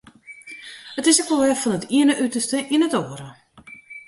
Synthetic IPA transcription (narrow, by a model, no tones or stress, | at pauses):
ətɪsəkʋɔlʋɛfɔnətʰiənəʔytərstəʔinətoːəɾə